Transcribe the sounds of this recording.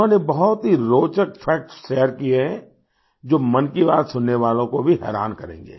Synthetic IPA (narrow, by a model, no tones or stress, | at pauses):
õːnebɐɦʊt̪ɦiɾoːt͡ʃəkfʰɛːk̚ʈʃeːjəɾkieɦɛ̃ | d͡ʒoːmɐnkibaːt̪sʊnːeʋaːlõkobʱiɦɛ̰ːɾa̰ːnkɐɾḛ̃ːŋɡḛː